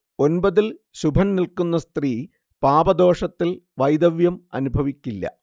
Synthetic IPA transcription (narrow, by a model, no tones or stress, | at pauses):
o̞nbɐðil | ɕubʱɐnnilkunːɐst̪riː | paːbɐd̪o̞ːʂɐt̪ːilʋɐjd̪ɐʋjɐmɐ̰nubʱɐʋikʲːilːɐ̰